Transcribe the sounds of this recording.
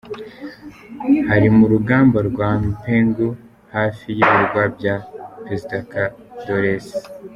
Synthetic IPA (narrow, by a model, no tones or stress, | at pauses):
haɾimuɾuɡaːmbaɾɡwampeːŋɡu | haːfijiβiɾɡwabjapɾe̞zidaka | doɾes